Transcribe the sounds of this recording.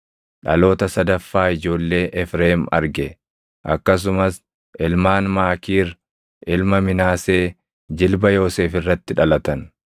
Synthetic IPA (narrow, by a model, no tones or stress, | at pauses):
ᶑɐlo̞ːt̪ɐsɐd̪ɐfːaːɪd͡ʒo̞ːlːe̞ːʔɛfɾeːmɐ̰ɾɡɛ | ʔɐ̰kːɐs̬ʊmɐs | ʔɪlmaːnmaːkiːɾ | ʔɪlmɐmɪnaːseː | d͡ʒɪlbɐjo̞ːse̞ːfɪrːɐt̪ːɪᶑɐlɐt̪ɐn